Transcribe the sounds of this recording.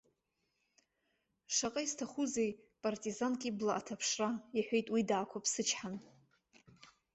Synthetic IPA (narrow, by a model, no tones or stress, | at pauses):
ʂaqʼaistʰaχuzejpʼartʼizankʼiblaʔatʰapʰʂrajaħʷᶣejtʼwidaːkʷʰapʰsɨt͡ʃʰħan